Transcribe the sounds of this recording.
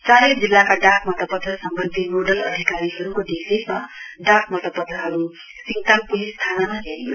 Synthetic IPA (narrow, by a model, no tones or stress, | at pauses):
t͡saɾed͡zilːakaɖakmʌt̪ʌpʌd̪ʱːʌsʌmbʌnd̪ʱimoɖʌlʌd̪ʱikaɾiɦʌɾukoɖisismaɖakmʌt̪ʌpʌd̪ʱːʌɦʌɾu | siŋt̪ampulist̪ʰanamaɦeɾijo̰